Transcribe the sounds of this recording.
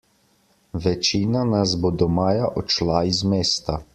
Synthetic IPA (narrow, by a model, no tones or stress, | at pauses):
ʋɛt͡ʃiːnanazbod̪ɔmaːjaʔɔt͡ʃlaizmeːst̪a